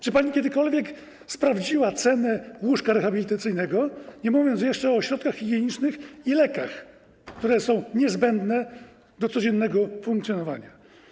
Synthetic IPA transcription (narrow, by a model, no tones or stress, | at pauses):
t͡ʂɨpaɲikʲjɛd̪ɘkɔlvʲjɛk | spɾavd͡ʑiwat̪sɛnɛwuʂkaɾɛxabʲilʲit̪at̪sɘjnɛɡɔɲɛmuvʲjɔnts̬jɛʂt͡ʂɛɔɕɾɔt̪kaxxʲiɡʲjɛɲit͡ʂnɘxilɛkax | kt̪uɾɛsɔ̃w̃ɲɛzbɛnd̪nɛ | d̪ɔt̪sɔd͡ʑɛnːɛɡɔfuŋkt̪sʲjɔnɔva̰ɲa